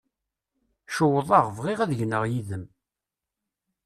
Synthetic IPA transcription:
ʃəwəðˤɑʁvʁiʁæðəʝnəʁjiðəm

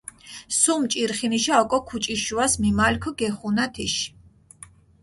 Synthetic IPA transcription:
sumt͡ʃʼiɾχiniʃaɔkʼɔkʰut͡ʃʼiʃuasmimalkʰɔɡɛχunat̪ʰiʃ

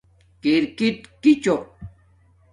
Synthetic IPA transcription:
kɪɾkɪt̪kɪt͡ʃoq

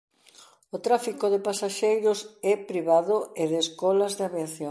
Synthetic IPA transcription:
ot̪ɾafikoðepasaʃejɾosɛpɾiβaðʊeðeskɔlɐzðaβiaθjo

